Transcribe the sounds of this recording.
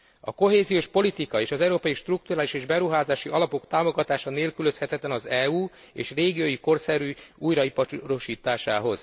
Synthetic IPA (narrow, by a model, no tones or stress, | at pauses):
ɒ̰ko̞ɦeːzijoːʃpo̞lit̪ikɒeːʃɒzɛuɾoːpɒjiʃt̪ruk̚t̪urɾaːliʃeːʒbɛɾuɦaːzaːʃiʔɒlɒpo̞kt̪aːmo̞ɡɒt̪aːʃɒneːlkylø̞shɛt̪ɛt̪lɛnɒzɛuː | ḛːʃreːɡijojiko̞rsɛɾyːuːjɾɒipɒɾo̞ʃiːt̪aːʃaːɦo̞z̥